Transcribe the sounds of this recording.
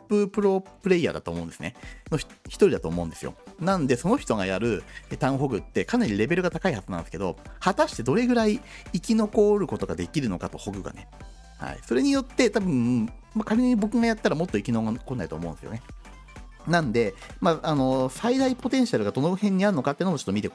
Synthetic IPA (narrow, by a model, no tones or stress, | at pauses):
pːɯ̟pɯ̟ɾo̞pɯ̟ɾe̞ia̰d̪a̰t̪o̞ːmo̞ɯ̟̃esɨneno̞ççi̥t̪o̞ɾʲid̪at̪oːmo̞ɯ̟̃nd̪e̞sɨjo̰nãnd̪e̞so̞no̞çi̥t̪o̞ɡajaɾɯ̟et̪ãɰ̃ɦo̞ɡɯ̟t̪ːe̞kanaɾʲiɾe̞be̞ɾɯ̟ɡat̪akaihaz̥ɨnã̰nsɨke̞d̪o̞̰hat̪aɕi̥t̪e̞d̪o̞ɾe̞ɡɯ̟ɾaiːkʲino̞ko̞ɾɯ̟ko̞t̪o̞ɡad̪e̞kʲiɾɯ̟no̞kat̪o̞ho̞ɡɯ̟ɡa̰ne̞ | ha̰ḭso̞ɾe̞ɲ̟ijo̞t̪ːe̞t̪abɯ̟̃ | makaɾʲeɲiɲ̟ibo̞kɯ̟ɡajat̪ːaɾamot̪ːo̞ikʲinoko̞nːait̪o̰mõ̞nesjone | nãnd̪e̞maʔano̞said̪aipo̞t̪ẽ̞ɰ̃ɕaɾɯ̟ɡad̪o̞nohẽ̞ɲ̟ːiaɾno̞kat̪ːeiɯnoot͡ɕot̪ːomʲit̪e̞ko